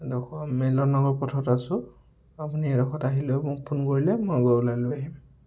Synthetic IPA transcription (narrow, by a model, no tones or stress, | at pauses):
dɔkʰɔmɛlɔnɔɡɔɹpɔtʰɔtasʊ | apuniɛdɔxʰɔtaɦilomʊk̚pʰunkoɹilɛmɔjɡɔulajlʊaɦim